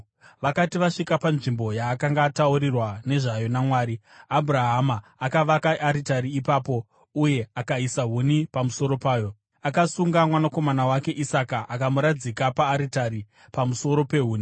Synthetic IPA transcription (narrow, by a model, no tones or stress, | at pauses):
ʋakatiʋaʂikapanʐimbo̞jaːkaŋɡatauɾirwane̞ʐajo̞namwaːɾiabʱuɾaɦamaːkaʋakaʔaɾitaɾiːpaːpo̞ | uje̞akaisaɦunipamuso̞ɾo̞paːjo̞ | akasuŋɡamwanako̞manawake̞ʔisakaʔakamuɾad͡zikapaːɾitaɾi | pamuso̞ɾo̞pe̞ɦuːni